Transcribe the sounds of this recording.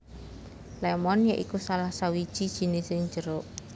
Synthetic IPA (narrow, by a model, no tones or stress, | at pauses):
lɛmɔnjaʔikusalahsawid̥ʒ̥i̤d̥ʒ̥i̤nɪsɪŋɲd͡ʒəɾoʔ